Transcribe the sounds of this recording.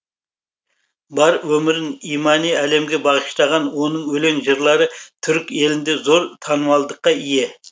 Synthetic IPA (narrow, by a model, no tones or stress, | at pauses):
bɑɾwɵmɪɾɪnijmɑnijæle̞mɡʲe̞bɑʁəʃt̪ɑʁɑnwo̞nəɴwɵle̞ŋʒəɾlˠɑɾət̪ʰʏɾkʲe̞lɪnd̪e̞zo̞ɾt̪ʰɑnəwɑlˠd̪əqːɑije̞